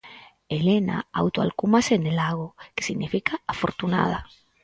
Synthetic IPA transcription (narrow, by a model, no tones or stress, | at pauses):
elena̰a̰wt̪oa̰lkumasenelaɣoke̥siɣnifikaafoɾt̪una̰ð̞a